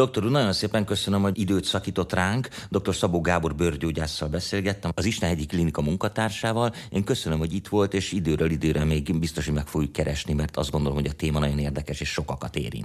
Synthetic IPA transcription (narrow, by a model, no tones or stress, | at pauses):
d̪o̞k̚t̪o̞ɾunɒjo̞nseːpɛŋkø̞sønømhoid̪øːt̪sɒkiːt̪o̞t̪raːŋkd̪o̞k̚t̪o̞rsɒboːɡaːborbørɟoːɟaːsːɒlbɛseːlɡɛt̪ːɛmɒziʃt̪ɛnɛɟːiklinikɒmuŋkɒt̪aːrʃaːvɒleːŋkøsønømho̞ɟit̪ʋo̞lt̪eːʃid̪øːɾøːlid̪øːɾɛmeːɡbist̪o̞ʃoɟmɛkfoɡjukːɛɾɛʃnimɛrt̪ɒ̰zd̪ɡo̞nd̪o̞lo̞mɦoɟɒt̪eːmɒnɒɟo̞neːrd̪ɛkɛʃeːʃʃo̞kɒkɒt̪ḛːɾḭnt